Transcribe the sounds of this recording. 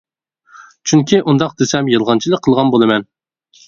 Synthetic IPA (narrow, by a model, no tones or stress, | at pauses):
t͡ʃʰyŋkʲʰiʔund̪ɑq̚d̪esɛmjɨlˠʁɑnt͡ʃʰilˠəkqʰːəlˠʁɑnbolˠɨmɛn